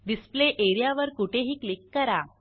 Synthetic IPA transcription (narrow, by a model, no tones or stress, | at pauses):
ɖispleʔeɾijaʋəɾkuʈʰeɦiːklikːəɾa